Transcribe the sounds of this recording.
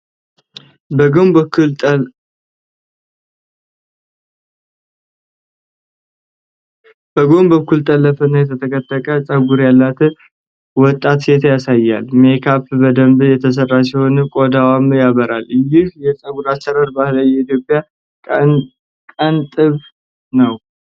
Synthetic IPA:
bm | bəɡo̞mbəkːult̪ʼəlːəfənːajɛt̪ʰət̪ʰəkʰʼət̪ʼːəkʼət͡sʼəɡuɾjalːat̪ʰɨ | wɔt̪ʼːat̪set̪ʰjasajːa̰lmekʰafbəd̪əmbjɛt̪ʰəs̬ərːas̬iho̞nɨkʼod̪awamjaβəɾaljɪhjɛsʼəɡuɾat͡ʃːəɾaɾbahləjːɛit̪jo̞pʼːja | kʼənt̪ʼɨβ | nəw

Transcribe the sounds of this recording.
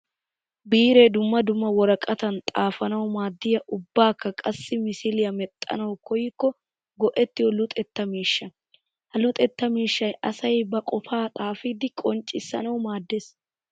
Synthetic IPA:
biːɾe̞ːd̪ʊmːɐd̪ʊmːɐwɔɾɐkʼɐt̪ɐnt̪ʼaːfɐnɐwmaːd̪ːɪjɐʔʊbːaːkːɐkʼɐsːɪmɪsɪlɪjɐmɛt̪ʼːɐ̰nɐwkɔjɪkːɔ | ɡɔʔɛt̪ːɪjɔlʊt̪ʼɛt̪ːɐmiːʃːɐ | hɐlʊt̪ʼɛt̪ːɐmiːʃːɐjʔɐsɐjbɐkʼɔfaːt̪ʼaːfɪd̪ɪkʼɔnt͡ʃʼɪsːɐ̰nɐwmaːd̪ːeːs

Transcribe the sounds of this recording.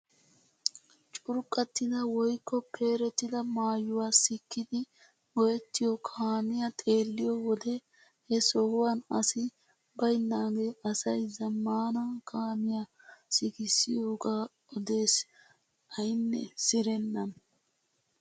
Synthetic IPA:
t͡ʃʼʊɾkʼːɐt̪ːɪd̪ɐwɔjkːɔpʰe̞ːɾɛt̪ːɪd̪ɐmaːjʊwaːsɪkːɪd̪ɪ | ɡɔjɛt̪ːɪjɔkʰaːmɪjat̪ʼe̞ːlːɪjɔwɔd̪ɛ | hɛsɔhʊwɐnɐsɪ | bɐjnːaːɡe̞ːʔɐsɐjzɐmːaːnakʰaːmɪja | sɪɡɪsːɪjoːɡaː | ɔd̪e̞ːs | ɐjɪnːɛ̰sɪɾɛnːɐn

